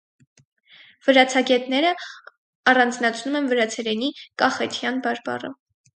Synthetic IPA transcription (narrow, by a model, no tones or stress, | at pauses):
vəɾɑt͡sʰɑɡɛt̪nɛɾə | ɑrɑnd͡znɑt͡sʰnumɛnvəɾɑt͡sʰɛɾɛnikɑχɛt̪ʰjɑnbɑɾbɑ̰rə̰